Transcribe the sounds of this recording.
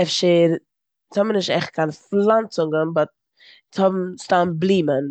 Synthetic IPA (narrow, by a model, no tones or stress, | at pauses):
ɛfʃeɾ | t͡shɔbm̩nɪʃtɛχt̚kʰanflant͡sʊŋɡənbɔt̚ | t͡shɔbm̩staːnblˠiːmən